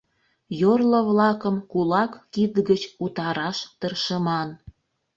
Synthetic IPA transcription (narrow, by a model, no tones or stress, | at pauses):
jorləβlɑkəmkulɑkːid̪ɡət͡ɕut̪ɑɾɑʃt̪ərʃəmɑn